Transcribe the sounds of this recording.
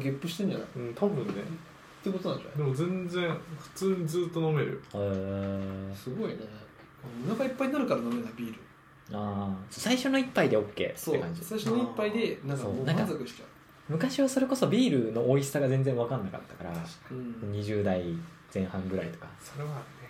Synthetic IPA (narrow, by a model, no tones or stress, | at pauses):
ɡʲepːɯ̟ɕit̪ẽɲ̟d͡ʑana̰ɯ̟̃ːt̪ʰabɯ̟̃nːe | t̪ːeko̞t̪onãɲd͡ʑa̰d̪e̞mo̞zẽ̞nd͡zẽ̞ŋɸɯ̟̥t͡sɨːɲ̟id͡zɨːt̪ːono̞me̞ɾɯ̟̰e | sɨɡo̞ine | ɯnãŋkaipːaiɲʲnaɾɯ̟kaɾano̞me̞nabʲiːɾɯ̟ | aːsoːsaiɕo̞no̞ipːaid̪e̞o̞kʲːe̞̰ːt̪sːekãɲ̟d͡ʑi̥saiʃoonoipːaid̪e̞nãŋksoːnãŋkazokɯ̟ɕi̥t͡ɕa | mɯ̟kaɕiβaso̞ɾe̞ko̞so̞bʲiːɾɯ̟no̞ʔoissaɡazend͡zẽɰ̃βakãnːaka̰t̪ːḁkaɾã | ɲ̟iʑɨːd̪ai | z̥ẽ̞ɰ̃hãŋɡɯ̟ɾait̪o̞kaso̞ɾe̞βaːɾɯ̟ne